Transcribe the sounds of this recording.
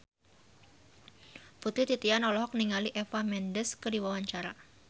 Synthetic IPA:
put̪ɾit̪it̪ianɔlɔɦɔk̚niŋaliʔɛfamɛndəskədiwawaɲt͡ʃaɾa

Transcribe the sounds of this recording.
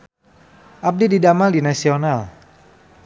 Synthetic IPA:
ʔap̚dididamaldinasional

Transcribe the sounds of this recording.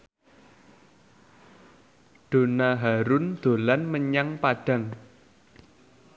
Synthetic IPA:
ɖ̥o̤naɦaɾʊnd̪̥o̤lanməɲaŋpaɖ̥a̤ŋ

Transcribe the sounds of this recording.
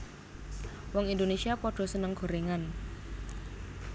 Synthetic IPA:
wɔŋind̪onesiapɔɖ̥ɔ̤sənəŋɡ̥ɔ̤ɾeŋan

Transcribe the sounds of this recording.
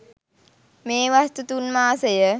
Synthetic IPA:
meːʋast̪ut̪unmaːsəjə

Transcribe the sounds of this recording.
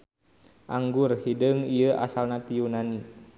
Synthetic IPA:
ʔaŋɡurhidəŋijəʔa̰salnat̪ijunani

